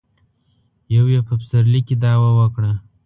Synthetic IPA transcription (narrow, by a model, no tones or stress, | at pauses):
jawjepəpsaɾlikid̪ɑwawəkɽa